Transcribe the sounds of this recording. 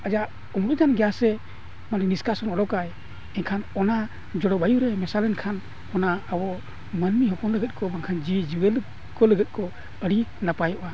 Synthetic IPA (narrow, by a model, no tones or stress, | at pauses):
ad͡ʒaʔ | umɾɔd͡ʒanɡɛjasɛ | manɛniskasɔnɔɖɔkaj | ɛnkʰanɔna | d͡ʒɔɽɔbajuɾɛmɛsalɛnkʰan | ɔnaabɔ | mənmiɦɔkɔnləɡɛt̪̚kɔbaŋkʰand͡ʒid͡ʒiwɛl | kɔləɡɛt̪̚ˀkɔ | əɽinapajɔʔa